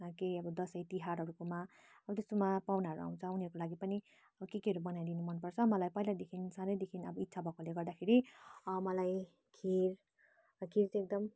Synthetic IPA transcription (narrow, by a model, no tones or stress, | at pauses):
kejʌbʌd̪ʌsʌjt̪iɦaɾɦʌɾukomaʌbʌt̪est̪omapawnaɦʌɾua̰w̃t͡sʰʌuniʌɾkolaɡipʌni | ʌʌkekiɦʌɾubʌnajd̪inumʌnpʌrt͡sʰʌmʌlajpʌilad̪ekʰinsanʌjd̪ekʰinʌbʌit̪ːsʰabʱʌkoleɡʌrd̪akʰeɾimʌlaj | kʰiɾ | kʰiɾt͡sek̚d̪ʌm